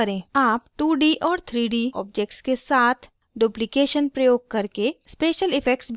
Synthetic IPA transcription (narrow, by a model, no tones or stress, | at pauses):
əɾẽːaːpʈuːɖiːʔɔːɾt̪ʰɾiːɖiɔ̰ːbd͡ʒek̚ʈskesaːt̪ʰ | ɖuplɪkeːʃənpɾɐjoːɡ̚kɐɾkespeːʃəlɪpʰɛkʈsb